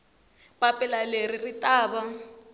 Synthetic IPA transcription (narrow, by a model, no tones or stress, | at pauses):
papʼɛlaleriritaːβa